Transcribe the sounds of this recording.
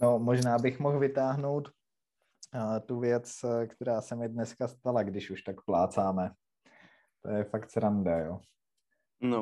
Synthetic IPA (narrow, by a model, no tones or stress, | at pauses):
nomoʒnaːbɪxmoxvɪt̪aːɦno̞wt̪ | t̪uvjɛt͡skt̪ɛɾaːsɛmɪdnɛskast̪alaɡdɪʃuʃt̪akplaːt͡saːmɛ | t̪ojɛfakt̪sɾandajoː | no